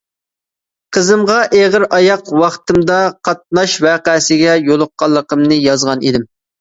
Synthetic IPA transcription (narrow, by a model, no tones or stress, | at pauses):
qʰəzɨmʁɑʔeʁəɾɑjɑqwɑχt̪ɨmd̪ɑqʰɑt̪̚nɑʃwæːqæsɪɡʲɛjolˠʊqːɑlˠːəqəmnɨjɑzʁɑnid̪ɪm